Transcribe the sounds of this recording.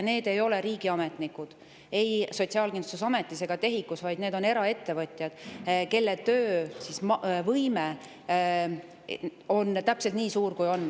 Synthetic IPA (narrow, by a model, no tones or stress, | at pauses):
ne̞ːd̪e̞jo̞le̞ɾiːɡ̥iɑme̞t̪nikud̪̥ | e̞jso̞t̪ʲsiɑlkind̪usesɑme̞t̪ːˑise̞ɡ̥ɑt̪e̞ɦikːˑusvɑjd̪ne̞ːd̪̥o̞ne̞ɾɑe̞t̪ːe̞vɤt̪ʲˑjɑd̪̥ke̞lːet̪øːsismvɤjme | o̞nt̪æpselt̪niːsuːrkujo̞nː